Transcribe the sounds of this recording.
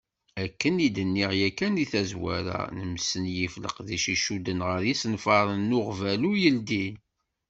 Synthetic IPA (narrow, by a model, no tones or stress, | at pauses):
ækːənid̪ənːiʁjækːæniθæzwæ̰ɾæ̰nəmsənjiflə̰qðiʃiʃud̪ənʁəɾjisnfɑɾˤənːʊʁvælujəld̪i